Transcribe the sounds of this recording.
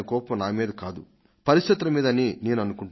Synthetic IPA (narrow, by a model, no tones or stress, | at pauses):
ɐkɔːpɐmnaːmiːd̪ɐkaːd̪u | pɐɾisʃt̪ɐt̪ɾɐmiːd̪ɐnine̞ːnuɐnukuɳʈ